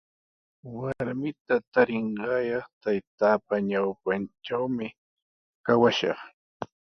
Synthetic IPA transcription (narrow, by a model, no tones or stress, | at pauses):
waɾmɪt̪at̪aɾɪɴɢɑjɑχt̪ajt̪aːpaɲawpanʈ͡ʂawmɪ | kawaʃɑ̰χ